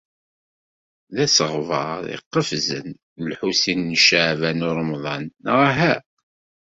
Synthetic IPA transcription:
ðæsəʁvɑðḭqːəfzə̰n | lħusinːʃaʕvænʊɾˤmðˤɑnʁaɦæ

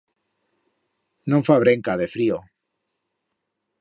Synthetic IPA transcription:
nõɱfaβ̞ɾe̞ŋkaðe̞fɾio

